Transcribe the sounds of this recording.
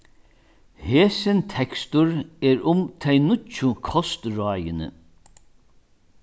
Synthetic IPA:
heːsɪnt̪ʰɛkst̪ʊɹɛːɹʊmt̪ʰɛjnʊt͡ʃːʊkʰɔst̪ɹɔːjɪnə̰

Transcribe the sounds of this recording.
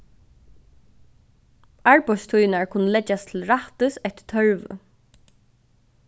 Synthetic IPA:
aɹpɔst̪ʰujnaɹkʰʊnːəlɛt͡ʃːast̪ʰɪlɹaht̪ɪsɛt̪t̪ʰœɹʋə̰

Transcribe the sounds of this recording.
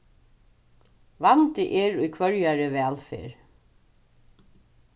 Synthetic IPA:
vant̪ɪʔɛɹujkʰvœɹjaɹɪvɛːlfɪ̰ːɹ

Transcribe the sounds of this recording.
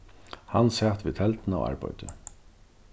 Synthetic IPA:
hansæːt̪ʋit̪ʰɛlt̪na̰wa̰ɹpɔjt̪ɪ

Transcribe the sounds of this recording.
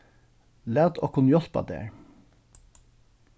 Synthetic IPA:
læːd̪o̰ːkʰʊnjɔspɑ̰d̪ḛːɹ

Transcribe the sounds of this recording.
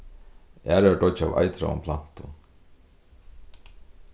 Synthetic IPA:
æːɾɛɖɔt͡ʃa̰va̰jt̪ɾa̰ʊ̰mpʰlan̥t̪ʊ

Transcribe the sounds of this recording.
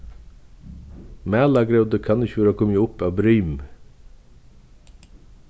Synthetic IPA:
mæːlɑɡɾɛʉd̪əkʰɑnɪçʋɑːɾoːkʰɔmjəʊpɑːbɾœːm

